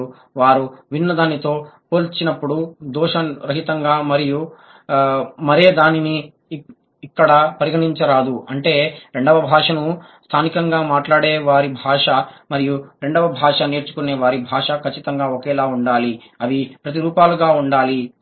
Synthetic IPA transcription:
ʋaːɾuʋinːɐd̪aːnit̪o̞ːpoːlt͡ʃinɐpːuɽud̪uːʂɐɾɐɦit̪ɐŋɡaːmɐɾiju | mɐɾe̞ːd̪aːniniː | kːɐɽɐpɐɾiɡɐʈiɲt͡ʃɐɾaːd̪uɐɳʈe̞ːɾe̞ɳɖɐʋɐbʱaːʂɐnu | st̪ʰaːnikɐŋɡaːmaːʈlaːɽeːʋaːɾibʱaːʂɐmɐɾijuɾe̞ɳɖɐʋɐbʱaːʂɐneːɾt͡ʃu̥kuneːʋaːɾibʱaːʂɐkʰɐt͡ʃːit̪ɐŋɡaːokɛːlaːuɳɖaːli | ɐʋipɾɐt̪̬iɾuːpaːluɡaːuɳɖaːli

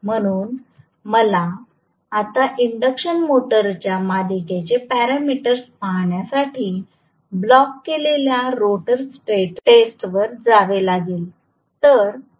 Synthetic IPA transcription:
m̤əɽ̃uːn | məla | at̪aʔiɳɖəkɕənmoʈəɾt͡ɕjamad̪iket͡ɕepæɾamiʈəɾspaɦɳjasaʈʰiː | blɔkːeleljaɾoʈəɾsʈeʈʈesʈʋəɾd͡zaʋelaɡiːl | t̪əɾ

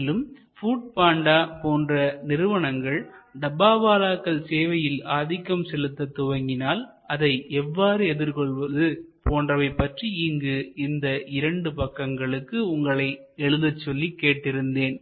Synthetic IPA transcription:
lɯm | fuːʈ̚paːɳɖaːpoːndrɐnɪɾɯʋɐɳɐŋɡɐɭɖɐbaːʋaːlaːkːɐɭseːʋɐjɪlaːðɪkːɐmsɛlɯt̪ːɐt̪ːʊʋɐŋɡɪnaːl | ɐðɐɪʔɛʋːaːɾɯɛðɪɾkɔɭʋɐðɯ | poːndrɐʋɐɪpːɐʈriiŋɡɯɪnd̪ɐʔɪɾɐɳɖɯpɐkːɐŋɡɐɭɯkːɯʊŋɡɐɭɐɪ | ɛɻɯðɐt͡ʃːɔlːikːeːʈːɪɾɯnd̪eːn

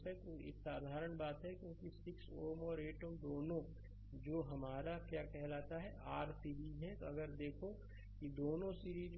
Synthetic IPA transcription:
ɛt̪oḛːksaːd̪ʱaːɾəɳ̃baːt̪ɦɛkjõːkisɪksoːmɔːɾeːʈoːmd̪oːnõ | d͡ʒoːɦɐmaːɾakjaːkɛɦlaːt̪aɦɛʔaːɾsiːɾiːd͡ʒɦɛ̃t̪oɐɡəɾd̪eːkʰo | kid̪oːnõsiːɾiːz

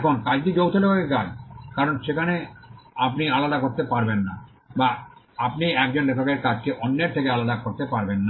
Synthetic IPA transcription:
kʰonkad͡ʑdid͡ʑowt̪ʰolekʰakekad͡ʑkaɾonʃekʰaneapnialad̪akoɾt̪epaɾbenːa | ba | apniɛk̚d͡ʑonlekʰakeɾkad͡ʑkeʔonːeɾt̪ʰekealad̪akoɾt̪epaɾbenːa

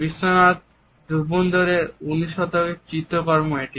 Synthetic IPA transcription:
bisːonat̪̚ | d̪uɾbond̪oɾeɾuniʃɔt̪oek̚t͡ɕit̪ːokɔɾmoeʈi

